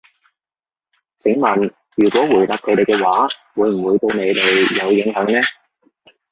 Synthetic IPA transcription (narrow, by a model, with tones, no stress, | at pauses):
sɪ˨˥ŋmɐ˨˩n | jyː˨˩kʷɔː˨˥wuː˨˩jt̪aː˨˧p̚kʰɵ˨˧˥t̪e˨˩jkɛː˧waː˨˥wuː˨˧˥jm̩˨˩wuː˨˧jt̪o˧wne˨˧jt̪e˨jjɐ˨˧wjɪ˨˧˥ŋɦœː˨˥ŋnɛː˥